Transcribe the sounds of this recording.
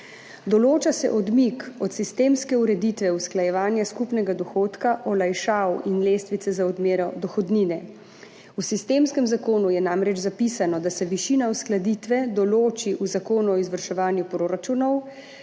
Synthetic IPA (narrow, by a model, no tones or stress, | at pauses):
d̪ɔloːt͡ʃasɛ̰ʔɔd̪mikɔt̪sist̪eːmskɛuɾɛd̪iːt̪ʋɛusklajɛʋaːnjaskupnɛɡad̪ɔxoːt̪kaʔɔlajʃaːwinleːst̪ʋit̪sɛzaɔd̪meːɾɔd̪ɔxɔd̪niːnɛ | usist̪eːmskɛmzakoːnujɛnaːmɾɛt͡ʃzapisanɔd̪asɛʋiʃiːnausklad̪iːt̪ʋɛd̪ɔloːt͡ʃiʔuzakoːnuɔizʋəɾʃɛʋaːnjupɾoːɾat͡ʃunɔw